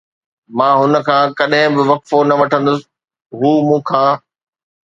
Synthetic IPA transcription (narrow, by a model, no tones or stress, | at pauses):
mãːɦʊnə̆kʰãːkɐɗɦɪ̃bɪʋɐkfonɐʋɐʈʰə̃nd̪ʊsɪ | ɦuːmũːkʰãː